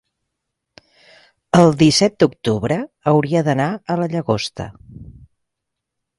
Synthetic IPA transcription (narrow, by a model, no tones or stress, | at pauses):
əlˠd̪isɛt̪̚d̪uk̚t̪uβɾəː | wɾiəðənaələʎəɣost̪ə̰